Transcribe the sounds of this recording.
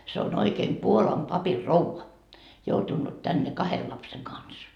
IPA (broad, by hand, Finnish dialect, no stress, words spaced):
se on oikeːm puolɑm pɑpirːouʋɑ joutunːut tænːe kɑhel lɑpseŋ kɑns